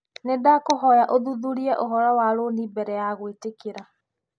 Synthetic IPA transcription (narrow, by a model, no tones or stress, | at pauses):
nedakoɦɔjaʔoðuðuɾiɛʔoɦɔɾɔwaɾonibɛɾɛjaɣwetekeɾa